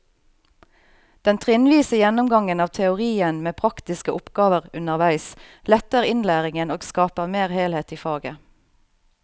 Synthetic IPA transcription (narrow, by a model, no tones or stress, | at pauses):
d̪̥ɛnt̪ʰʁɪnʋiːsəjɛnʊmɡɑŋənɑːʋt̪ʰɛʊʁiːənmeːpʰʁɑkt̪ɪskəʔʊpɡ̥ɑːʋəʁʉnəʁʋæɪslɛt̪əʁɪnlæːʁɪŋənoːɡskɑːpəʁmeːʁheːlheːt̪iːfɑːɡə